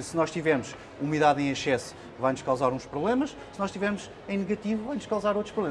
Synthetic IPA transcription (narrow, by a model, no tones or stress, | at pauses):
sɨnɔʃt̪ivɛɾmuʃ | umiðaðẽj̃ɐʃɛs | vajnuʃkawzaɾũʃpɾuβlˠemɐʃ | sɨnɔʃt̪ivɛɾmuʃ | ẽj̃nɨɣɐt̪ivuvajnuʃkawzaɾowt̪ɾuʃpɾuβlˠem